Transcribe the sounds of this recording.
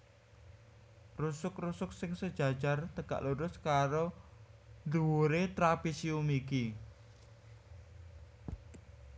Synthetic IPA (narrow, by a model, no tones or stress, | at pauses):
rusʊkrusʊk̚sɪŋsəd̥ʒ̥ä̤̥ʒ̥a̤rt̪əɡ̥a̰ʔluɾʊskaɾo | nd̪uwoɾet̪ɾapisiumiki